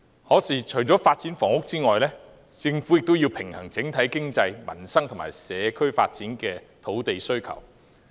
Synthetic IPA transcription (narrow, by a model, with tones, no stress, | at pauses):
hɔː˨˥siː˨˩t͡ʃʰɵ˨˩ɥt͡sɔː˨˥faː˧t̚t͡siː˨˥nfɔː˨˩ŋʊ˥k̚t͡siː˥ŋɔː˨jlɛː˥ | t͡sɪ˧ŋfuː˨˥jɪ˨k̚t̪o˥wjiː˧wpʰɪ˨˩ŋhɐ˨˩ŋt͡sɪ˨˥ŋt̪ʰɐ˨˥jkɪ˥ŋt͡sɐ˧jmɐ̰˨˩nsɐ˥ŋt̪ʰŋmaː˨˩jsɛː˨˧kʰɵ˥ɥfa̰ː˧t̚t͡siː˨˥nkɛː˧ | t̪ʰo˨˥wt̪e˨jsɵ˥ɥkʰɐ̰˨˩w